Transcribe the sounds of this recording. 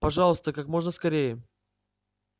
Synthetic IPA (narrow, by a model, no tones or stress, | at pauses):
pɐʐɑlˠəst̪əkakmo̞ʐnəskɐɾʲejə